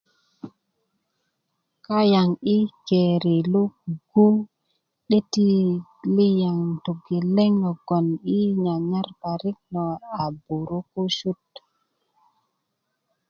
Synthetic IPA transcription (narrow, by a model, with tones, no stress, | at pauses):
ka˦ja˨ŋi˦ke˨ɾe˨lo˦kɡu˦ | ɗe˦ti˦li˦ja˨ŋto˨ɡe˨le˦ŋɔ˨ɡɔ˨ni˦ɲa˨ɲa˦ɾpa˨ɾi˦k̚nɔ˨a˨bu˨ɾo˦ko˦ʃu˦t